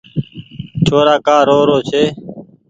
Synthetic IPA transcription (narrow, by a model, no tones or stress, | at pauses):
t͡ʃʰoːɾaːkaːɾoːɾoːt͡ʃʰeː